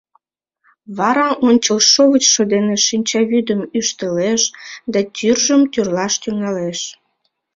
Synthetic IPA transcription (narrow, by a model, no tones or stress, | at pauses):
βɑɾɑʔonʲt͡ɕəlʃoβət͡ɕʃod̪eneʃinʲt͡ɕɑβyd̪əmyʃt̪əleʃd̪ɑt̪yrʒəmt̪yrlɑʃt̪yŋɑleʃ